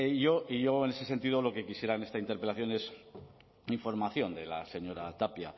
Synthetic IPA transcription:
ʝo̞iʝo̞ene̞se̞se̞nt̪iðolo̞ke̞kisje̞ɾane̞st̪aint̪eɾpe̞laθjo̞ne̞s | iɱfo̞ɾmaθjo̞nd̪e̞la̰se̞ɲo̞ɾat̪apja

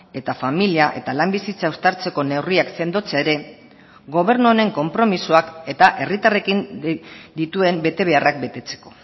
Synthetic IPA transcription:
e̞t̪afamiliaʔe̞̰t̪alambisit͡saust̪aɾt͡se̞ko̞ne̞wriakse̞nd̪o̞t͡seaeɾe̞ | ɡo̞β̞e̞ɾnuoɾe̞ŋko̞mpɾo̞misoake̞t̪aʔe̞rit̪are̞kind̪it̪ue̞mbe̞t̪e̞β̞e̞arak̚be̞t̪e̞t͡se̞̥ko̞̥

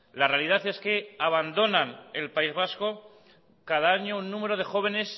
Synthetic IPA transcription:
lare̞aliðaθe̞ske̞aβ̞and̪o̞nane̞lpaizβ̞asko̞ | kaðaaɲo̞unːũme̞ɾo̞ð̞e̞xo̞β̞e̞ne̞s

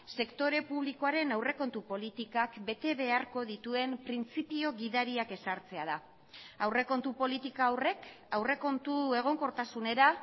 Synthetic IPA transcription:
se̞kt̪o̞ɾe̞puβ̞liko̞aɾe̞nawre̞ko̞nt̪upo̞lit̪ikakbe̞t̪e̞βe̞aɾko̞ðit̪ue̞mpɾint͡sipio̞ɣiðaɾiake̞saɾt͡se̞að̞a | awre̞ko̞nt̪upo̞lit̪ikaːwre̞k | awre̞ko̞nt̪ue̞ɣ̞o̞ŋko̞ɾt̪asune̞ɾa

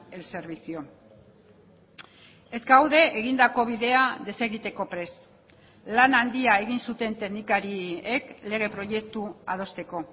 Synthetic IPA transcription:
else̞ɾβisio̞ | e̞zɡawðe̞ʔːɣ̞ind̪ako̞β̞iðe̞aðe̞se̞ɣit̪e̞ko̞pɾe̞s | lanand̪iae̞ɣ̞insut̪e̞nt̪e̞ɣnikaɾiekle̞ɣ̞e̞pɾo̞je̞k̚t̪uað̞o̞st̪e̞ko̞

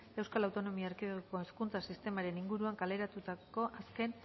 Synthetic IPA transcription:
e̞wskalawt̪o̞no̞miaeɾkiðoko̞eskunt͡sasist̪e̞maɾe̞niŋɡuɾuaŋkale̞ɾat̪ut̪ako̞ʔaske̞n

